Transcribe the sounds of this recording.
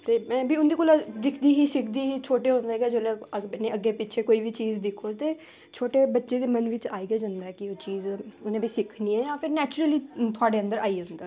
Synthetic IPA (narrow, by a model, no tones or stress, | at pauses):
t̪eːmɛ̃ːbiːʊnd̪eːkoːlad̪ɪkʰd̪iːɦiːsɪkʰd̪iːɦiːt͡ʃʰoːʈeːɦõnd̪eːɡɛːd͡ʒoːlɛːnẽːəɡːeːpɪːt͡ʃʰeːkoːiːʋiːt͡ʃiːzd̪ɪkʰoːt̪eː | t͡ʃʰoːʈeːbətːʃeːd̪eːmənʋɪt͡ʃaːiːɡeːd͡ʒə̃nd̪aɛːkɪoːt͡ʃiːzʊnẽːbiːsɪkʰniːɛːjãːpʰɪɾnɛːt͡ʃʊɾəliːt̪ʰʊaːɖeːənd̪əɾaːiːɦʊ̃nd̪aː